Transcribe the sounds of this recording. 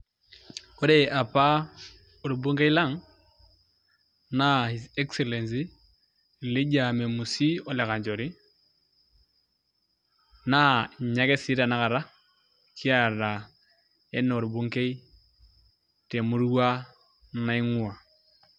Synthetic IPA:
ko˦ɾe˦˨a˨pa˦ | o˨ɾu˨bu˦ŋɡe˦i˦la˦˨ŋ | na˦hi˨zɛ˦ksɛ˨lɛ˨ns̬i˦˨ | li˦ɟa˨mɛ˨mu˨si˦ɔ˨lɛ˨ka˨ɲd͡ʒɔ˨ɾi˦ | na˦˨ɲa˦kɛ˦si˦ɾa˨na˦ka˨ɾa˦ | ki˦a˨ɾa˨ | ɛ˦n˨o˨ɾu˨bu˦ŋke˦i˦ | tɛ˨mu˦ɾwa˦ | na˦i˦ŋu˦a˨

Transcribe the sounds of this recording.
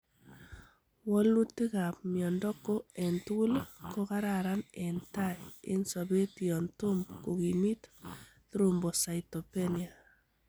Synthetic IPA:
wɔ˦lnu˦tɪ˦ka˨p̚mjɔ˨ndɔ˦ko˦ɛ˨ntu˦lko˦ka˦ɾaɾa˦nɛ˨nta˦ɪ̰˦nsɔ˨be˦tiɔ˨ntʊ˦mbko˨ki˨mi˦t | tɾo˨mbɔ˨sa˨itɔ˨pe˦nia˨

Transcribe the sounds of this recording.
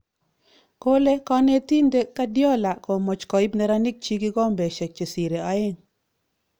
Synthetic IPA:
ko˦le˦kɔ˦ne˦ti˦nde˦ka˦djɔ˦la˨ko˨mɔ˨t͡ʃkɔ˨ɪ˦pnɛ˨˦ɾa˦nɪ˦k̚t͡ʃi˦ki˦kɔ˦mbɛ˨ʃɛ˨k̚t͡ʃe˨si˨ɾe˨a˨ɪ˦ŋ

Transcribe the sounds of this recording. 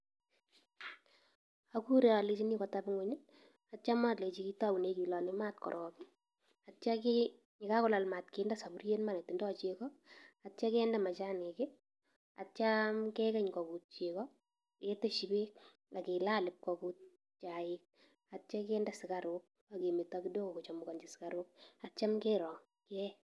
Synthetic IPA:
aku˦ɾe˨a˨le˨t͡ʃi˦ni˦kɔ˨tabɪ˦ŋʊɲɪ | att͡ʃa˦ma˦tle˨t͡ʃi˦ki˦ta˦bu˨ne˨ki˨lɔ˨nɪma˦tkɔ̰˨ɾʔɔːbi˦ | att͡ʃaki | ɲɪ˨ka˦kɔ˦la˨lma˨tke˨nda˦sa˨burje˦nma˨ne˨tːɪ˨ndɔ˦t͡ʃekɔ˦att͡ʃa˦kɛ˦nda˦ma˨t͡ʃa˦nɪ˨kɪ˦ | a̰˨t͡ʃamkɛ˦kɛ˦ɲkɔ˨ku˨t̚t͡ʃe˨kɔ | ke˦te˦ʃi˨be˦ | la˨ke˨laː˦lɪ˨p̚kɔkut̚ | t͡ʃa˨ɪk̚ | a˨tt͡ʃa˦kɛ˦nda˦sɪ˨ka˨ɾok̚ | a˨ke˨me˨tɔki˦do˦ko˨ku˨t͡ʃɔ˨mʊ˨kɔ˨nd͡ʒi˨sɪ̥˦ka˨ɾʊk̚a˨t͡ʃa˦mkeː˦ɾɔ˨ | kɛ˦

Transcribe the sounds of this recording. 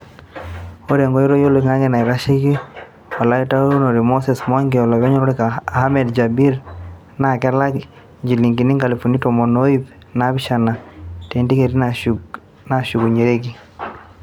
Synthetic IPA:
o˦ɾe˨ŋɡɔ˦i˦ɾo˦jo˦lo˨ŋa˦ŋɡe˦˨na˨i˨ɾa˦ʃi˦ki˦ | wa˨la˨˦i˦ta˦u˦no˨ɾi˨mo˦sɛ˨sma˦ŋɡe˨ɔ˨lɔ˨βɛ˦ɲɔ˦ɾɔ˦ɾi˦kaː˨ha˦mɛ˨dd͡ʒa˨bi˦ɾ | na˦˨kɛ˦la˦k | ɲd͡ʒi˨li˨ŋɡi˨ni˦ŋɡa˨li˨fo˨ni˦to˨mɔ˨no˦i˦p | na˦bi˦ʃa˨na˨te˨ndi˦ke˨ɾi˦na | na˨ʃu˨ɡu˨ɲe˨ɾe˦ki˨

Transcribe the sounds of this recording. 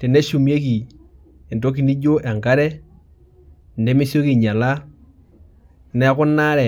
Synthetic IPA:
tɛ˨nɛ˦ʃu˨mje˦ki˨ | ɛ˨ndo˦k̬i˨ni˦d͡ʒo˦ʔɛ˨ŋɡa˦ɾɛ˦ | ndɛ˦mɪ˦sjo˦ki˨ɲa˨la˦˨ | nɛ˨˦kʊ˦na˦ɾɛ˨

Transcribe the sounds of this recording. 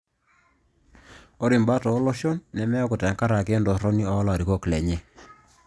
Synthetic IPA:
o˦ɾi˨mba˦tɔ˨˦lɔ˦ʃɔ˦nːɛ˨mɛ˦ɔ˦kʊ˨tɛ˨ŋka˦ɾa˨ke˦ndɔ˨ɾɔ˦ni˦ɔ˦ɔ˦la˨ɾi˨ko˦klɛ˨ɲe˦

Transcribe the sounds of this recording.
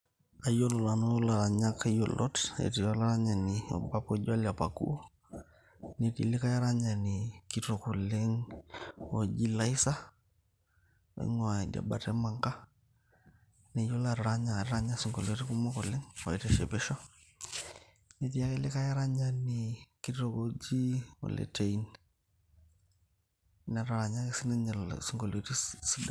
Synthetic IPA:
a˨jo˦lo˨la˨no˦la˨ɾa˨ɲa˦kjo˨lʔɔ˦tḛ˨ti˨ɔ˦la˦ɾa˦ɲa˨nɪ˨ɔ̰˨ba˦pɔ˦ɟa˦la˨pa˨kṵ˦ | ne˨tḭ˨lɪ˦ka˦ja˦ɾa˦ɲa˨nɪ˨kito˨ko˨le˦ŋ | o˨d͡ʒi˦la˦i˦sa˦˨ | ḭ˦ŋɔ˨a˨da̰˨ba˨tɛ˦ma˨ŋka˦ | nɛ˨jo˦la˨ɾɾa˦ɲa˨ɾɾa˦ɲa˦si˨ŋɡo˨lo˨ti˦ku˦mɔ˦kɔ˨lɪ˦ŋwa̰˨i˨tɛ˦˨ʃɛ˨bɛ˦ʃɔ˦ | ne˨ti˦ja˦ke˦lɪ˦ka˦ja˦ɾa˦ɲa˦ni˨ki˦to˨ko˦d͡ʒi˦wo̰˨lɛ̰˨te˨i˦n | na˨ɾa˨ɾa˨ɲa˦kesi˦nɛ˦ɲ˨lsi˨ŋɡo˨lo˨ti˦si˦da˨

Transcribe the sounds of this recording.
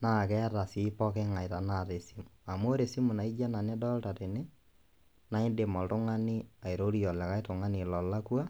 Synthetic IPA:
na˨kɛ˦ɾa˨si˦pɔ˦kɛ˦ŋa˨i˨ɾa˨na˨ɾe˨si˦mua˨mo˦ɾe˨si˦mu˨na˨i˦d͡ʒa˦na˨nɛ˦dɔ˦lta˨ɾe˨ne˦ | na˦e˦nde˨mɔ˨tʊ˦ŋa˦ni˦a˨e˨ɾo˦ɾi˦ɔ˨lɛ˨ka˦i˦to˨ŋa˦ni˨lɔ˨la˦kwa˦

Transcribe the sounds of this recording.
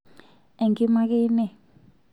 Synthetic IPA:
ɛ˨ŋɡi˦ma˦k̬e˦nɛ˦˨

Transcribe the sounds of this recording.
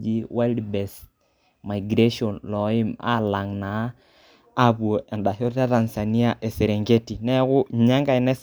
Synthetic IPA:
d͡ʒi˦wa˦ldbɛ˨s | ma˨jɡɾe˦ʃɔ˨nlɔ˨i˦ma̰˦la˨ŋna˨˦ | a˦βu˨o˨ɛ˨nda˨ɦɔ˦ta˦ta˨nsa˨ni˦a˦˨ʔɛ˨sɛ˨ɾɛ˨ŋɡe˦ti˨nɛ˦kʊ˦˨ɲa˦ŋɡa˦i˨nɛ˦s

